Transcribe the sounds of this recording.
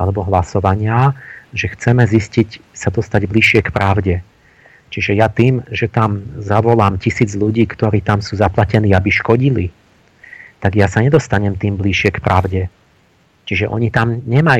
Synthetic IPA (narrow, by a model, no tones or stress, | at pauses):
alɛbɔɦlasɔʋaɲɪaʒɛxt͡sɛmɛziscicsad̪ɔst̪aɟbliʃɪɛkpɾaʊɟɛ | t͡ʃiʒɛjat̪iːmʒɛt̪amzaʋɔlaːmcisiːd͡zʎuɟiːkt̪ɔɾiːt̪amsuːzaplacɛniːabiʃkɔɟili | t̪aɡjasaɲɛd̪ɔst̪aɲɛmt̪iːmbliʃɪɛkpɾʔaʊɟɛ | t͡ʃiʒɛʔɔ̰ɲit̪amɲɛmaj